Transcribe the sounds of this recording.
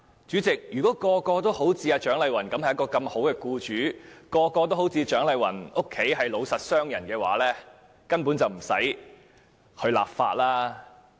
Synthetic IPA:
t͡ʃyː˨˥t͡sɪ˨k̚jyː˨˩kɔː˨˦˥kɔː˧kɔː˧t̪o˥who˨˥wt͡siː˧aː˧t͡ʃœː˨˥ŋlɐ˨˧jwɐ˨˩nkɐ˨˥mɐ˨jɐ˥kɔː˧kɐ˧mho˨˥wkɛː˧kuː˧t͡ʃyː˨˥kɔː˧kɔː˧t̪o˥who˨˧˥wt͡sʰiː˧t͡ʃœː˨˥ŋlɐ˨˧jwɐ̰˨˩nʊ˥kʰːe˨˥jɦɐ˨jlo˨˧wsɐ˨t̚sœː˥ŋjɐ˨˩nkɛː˧wa̰ː˨˥lɛː˥ | kɐ˥npuː˨˥nt͡sɐ˨wm̩˨˩sɐ̰˨˥j | hʰɵ˧ɥla̰ː˨p̚fa̰ː˧t̚laː˥

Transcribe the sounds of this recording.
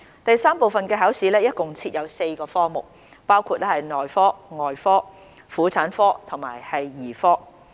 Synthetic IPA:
t̪ɐ˨jsaː˥mpo˨wfɐ˨nkɛː˧ɦɐː˨˥wsiː˨˥lɛː˥jɐ˥t̚kʊ˨ŋt͡sʰiː˧t̚jɐ˨˧wse˧jkɔː˧fɔː˥mʊ̰˨˩k̚ | paː˥wkʰuː˧t̚lɛː˥hɐ˨jnɔː˨jfɔː˥ŋɔː˨jfɔː˥ | fuː˨˥t͡sʰaː˨˥nfɔː˥t̪ʰʊ˨˩ŋma̰ː˨˩jhɐ˨jːiː˨˩fɔː˥

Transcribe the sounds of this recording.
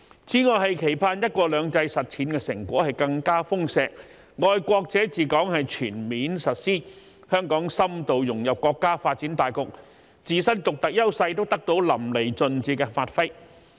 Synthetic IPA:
t͡sʰiː˨˥ŋɔː˨˧jɦɐ˨jkʰe˨˩jpʰaː˧njɐ˥t̚kɔː˧lœː˨˧ŋt͡sɐ˧jsɐ˨t̚t͡sʰiː˨˥nkɛː˧sɪ˨˩ŋkʷɔː˨˥hɐ˨jkɐ˧ŋkaː˥fʊ˥ŋsɛː˨˧k̚ | ŋɔː˨jkʷɔː˧k̚t͡sɛː˨˥t͡siː˨kɔː˨˥ŋhɐ˨jt͡ʃʰyː˨˩nmiː˨˥nsɐ˨t̚siː˥ | hœː˥ŋkɔː˨˥ŋsɐ˥mt̪o˨wjʊ˨˩ŋjɐ˨p̚kʷɔː˧kːaː˥faː˧t̚t͡siː˨˥nt̪aː˨jkʊ˨k̚ | t͡siː˨˧sɐ˥nt̪ʊ˨k̚t̪ɐ˨k̚jɐ˥wsɐ˧jt̪o˥wt̪ɐ˥k̚t̪o˨˥wlɐ˨˩mle˨˩jt͡sɵ˧nt͡siː˧˥kɛː˧faː˧t̚fɐ˥j

